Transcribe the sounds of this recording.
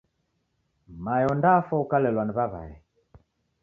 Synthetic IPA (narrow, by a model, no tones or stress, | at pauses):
majɔndafɔukalɛlwaniβaβa̰ɛ